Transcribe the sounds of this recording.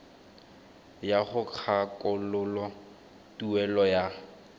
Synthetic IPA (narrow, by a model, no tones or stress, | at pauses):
jaχʊk͡xʰakʼʊlʊlɔ | tuɛlɔja